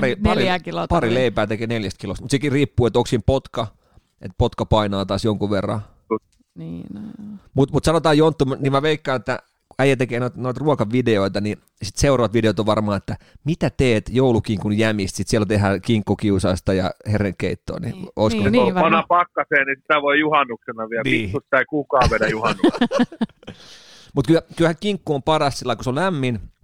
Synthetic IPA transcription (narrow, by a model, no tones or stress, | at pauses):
pɑripɑriækilopɑrileipæːt̪ekeːneljæst̪kilost̪mut̪sekiriːpːuːet̪oksimpot̪kɑ | ḛt̪pot̪kɑpɑinɑːt̪ɑːsjoŋkuʋerːɑ̰ | niː | mut̪mut̪sɑnot̪ɑːjont̪ːumnimæʋeikːɑinet̪ːæ̰ | æijæt̪ekeːnoit̪noit̪ruɑkɑʋideoit̪ɑni | sit̪seurɑʋɑt̪ʋideot̪oʋʋɑrmɑːet̪ːæmit̪æt̪eːt̪joulukiːŋkunjæmist̪sit̪sielːont̪ehæːkiŋkːokiusɑˑst̪ɑjɑ̰hereŋkkeit̪ːo̰ːnḭoiskoseoʋɑnɑpɑkːɑseːnisi̥t̪æʋoijuhɑnːuksenɑʋiælnikːustsɑikukɑːʋedæjuhɑnːuk | mut̪kylkylhæŋkiŋkːuompɑrɑst̪silːɑikuseolæmːin